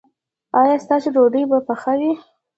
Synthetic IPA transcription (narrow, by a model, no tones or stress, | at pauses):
ɑjɑst̪ɑseɖoɖəjbapaxawi